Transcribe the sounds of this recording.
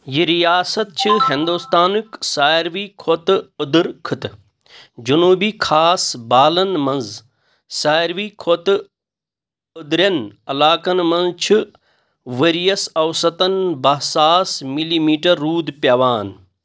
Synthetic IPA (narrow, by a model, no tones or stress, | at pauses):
jiɾijaːsɐt̪̚t͡ʃʰɨɦɪ̃nd̪ust̪aːnɨksaːɾʋiːkʰot̪ud̪ɨɾkʰɨt̪ | d͡ʒunuːbiːkʰaːsbaːlɐnmɐnz | saːɾʋiːkʰot̪ | ud̪ɾɐnɐlaːkɐnmɐnzt͡ʃʰi | ʋɐɾijɐsɐwsɐt̪ɐnbɐɦsaːsmiliːmiːʈɐɾːuːd̪pjɐʋaːn